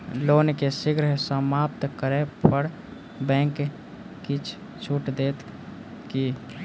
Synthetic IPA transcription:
loːnkesɪɡɾəɦsəmaːp̚t̪kəɾepəɾ | bɛ̃ːŋk | kit͡ʃʰ | t͡ʃʰuʈd̪eːt̪ | ki

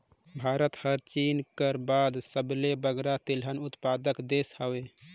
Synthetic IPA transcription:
bʱaɾət̪həɾt͡ʃinkəɾbad̪səblebəɡɾat̪ilɦənut̪pad̪əkd̪eshəwe

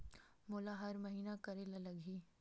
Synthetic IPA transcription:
moːlaɦɐɾmɐɦiːnakɐɾelalɐɡʱiː

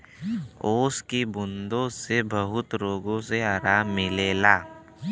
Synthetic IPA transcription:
oːskibʊnd̪õsebəɦʊt̪ɾoːɡõseaːɾaːmːɪleːlaː

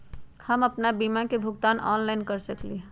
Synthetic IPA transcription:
həməpnabimakebʱʊɡt̪aːnɔ̰nlaɪnkəɾsəkli

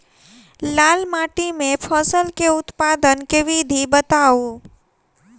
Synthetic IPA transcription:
laːlmaːʈimẽpʰɔːsəlkeʊt̪paːd̪ənkeʋid̪ʱibət̪aːu

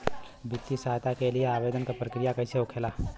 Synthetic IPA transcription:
bɪt̪ːisaːɦt̪akelieaːʋeːd̪ənkapɾɐkɾijakɐiseʊkʰeːlaː

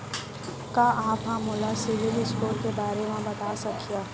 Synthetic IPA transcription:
kaːʔaːpɦãːmʊlasɪʋɪlɪskoːɾkebaːɾemẽbɐt̪aːsɐkʰijaː

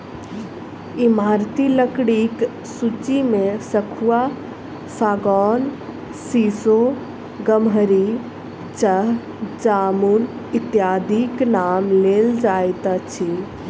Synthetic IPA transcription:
imaɾt̪iləkɽik | sut͡ʃimesəkʰua | saɡɔn | siso | ɡəmɦəɾi | t͡ʃəɦ | d͡ʒamun | it̪jad̪ʱiknamleld͡ʒajt̪ət͡ʃʰi

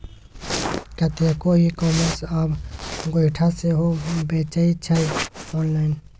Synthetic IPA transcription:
kət̪ekoɦikɔːməɾsabɡoɪʈʰaseɦobet͡ʃait͡ʃʰajɔːnlaːɪn

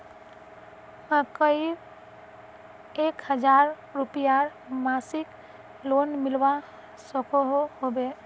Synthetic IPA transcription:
mə̃kəi | ekhəd͡ʒaɾː | upijaɾmasik | lonmɪlwa | sɔkʰoɦoɦobe

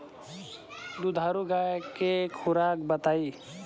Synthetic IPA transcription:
d̪ud̪ʱaːɾuɡaːjkekʰʊɾaːkbət̪aːiː

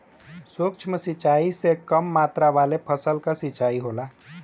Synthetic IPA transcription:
sokt͡ʃʰməsit͡ʃaːisekəmːaːt̪ɾaʋaːlepʰəsəlkasit͡ʃaːiɦoːlaː

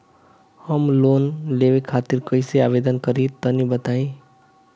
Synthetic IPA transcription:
həmloːnlewekʰaːt̪iɾkəiseaːbeːd̪ənkəɾĩt̪ənibət̪aːĩ

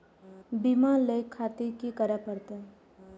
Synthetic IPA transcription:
bimaləjkʰːat̪ikikəɾapəɾt̪e

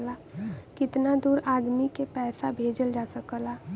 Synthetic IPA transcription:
lakɪt̪nad̪uːɾaːd̪mikepɛːsabʱeːd͡ʒəld͡ʒaːsəkəlaː

